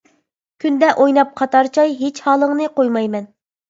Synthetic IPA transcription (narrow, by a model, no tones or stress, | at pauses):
kʲʰynd̪ɛʔojnɑp̚qʰɑt̪ɑɾt͡ʃʰɑjɦet͡ʃhɑːlˠəŋnɨqojmɑjmɛn